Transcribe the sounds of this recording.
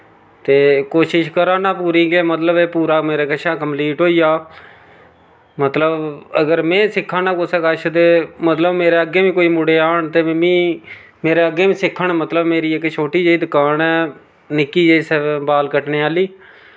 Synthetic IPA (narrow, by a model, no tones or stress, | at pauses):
t̪eːkoːʃɪʃkəɾaːnaːpuːɾiːɡeːmət̪ləbeːpuːɾaːmeːɾeːkəʃãːkəmpliːʈɦoːijaː | mət̪ləbəɡəɾmẽːsɪkʰːaːnaːkosəkaːʃʰt̪eːmət̪ləbmeːɾeːəɡeːʋĩːkoːiːmʊɽeːaːɳt̪ẽːʋĩː | meːɾeːəɡeːʋĩːsɪkʰːəɳmət̪ləbmeːɾiːekt͡ʃʰoːʈiːd͡ʒeːiːd̪ʊkaːnɛː | nɪkːiːd͡ʒeːiːsəbaːlkəʈneːaːliː